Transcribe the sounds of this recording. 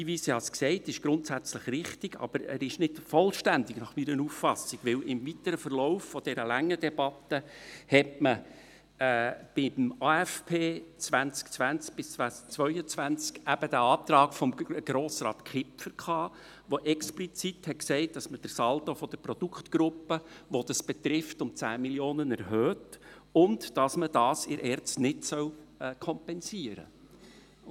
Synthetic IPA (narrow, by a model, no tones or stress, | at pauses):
iːʋiːsihɑsksɛɪtɪʃɡ̥ɾʊntsæt͡sləχɾɪχtɪɡ̥ɑ̰b̥əɾɛ̰ɾɪʃnɪdfɔlʃtændɪɡ̥nɑχmiɾənuffɑsiɡ̥ʋɪwɪmvit̪əɾəfəɾlɔʊfːɔd̥ɛɾəlæŋːədɛb̥ɑt̪ːəhɛtməː | b̥ɪmɑːæfpʰeːt͡sʋænt͡skt͡sʋænt͡sk̚b̥ɪsʋæt͡sʋœʏət͡sʋænt͡skæb̥əd̥̪æɑːt̪ɾɑːkfɔmɡ̥ɾoːsɾɑ̰ːt̪kχɪpfəɾkχɑː | ʋoʔɛksplit͡sit̪hɛtksɛɪt̚d̥ɑsməd̥əɾsɑlt̪ofɔd̥əpɾɔd̥̪ukχt̪ɡ̥ɾʊpːəʋɔd̥̪ɑsb̥ɛt̪ɾɪftʊmt͡sæːmiljoːnənɛɾɦøːt | ʊndd̥ɑsməd̥ɑːsɪɾʔɛːɾt͡stnɪtsœwkʰɔmpɛnsiəɾə̰